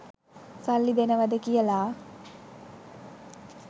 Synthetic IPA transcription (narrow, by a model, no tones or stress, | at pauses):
salːid̪enəʋad̪əkijəlaː